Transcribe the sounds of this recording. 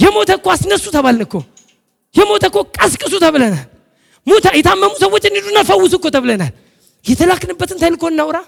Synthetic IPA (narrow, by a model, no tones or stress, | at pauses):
jɛmo̞t̪ʰəkːoasnəsːut̪ʰəβalnɨkːo | jɛmo̞t̪ʰəkːokʼəskʼɨs̬ut̪ʰəβlənal | mut̪ʰajɛt̪ʰamːəmusəwːo̞t͡ʃːɪnːid̪unːalfəwːʊsɨkːot̪ʰəβləna̰l | jɛt̪ʰəlakːnɨbːət̪ɨnt̪ʰajlɨkʰːoɨnːawɾa